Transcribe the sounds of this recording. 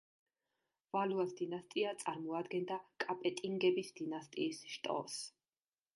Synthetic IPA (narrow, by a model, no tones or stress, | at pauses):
valuasd̪inast̪ʼiat̪sʼaɾmɔad̪ɡɛnd̪akʼapʼɛt̪ʼiŋɡɛbisd̪̥inast̪ʼiːsʃt̪ʼɔ̰s